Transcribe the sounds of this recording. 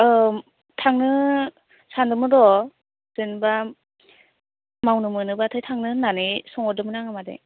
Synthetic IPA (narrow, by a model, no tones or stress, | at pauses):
ɯ | tʰaŋnɯ | sandɯmɯdɔ | z̥ɯnba | mawnɯmɯnɯbatʰɯjtʰaŋnɯnanɯjsɔŋɔdɯmɯnaŋamadḛ